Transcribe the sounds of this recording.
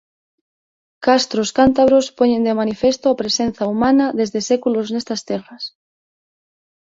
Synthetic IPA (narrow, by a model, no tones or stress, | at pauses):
kast̪ɾoskant̪aβɾospoɲẽnd̪emanifest̪oapɾesen̟θaumanaðezðesekuloznest̪ast̪eras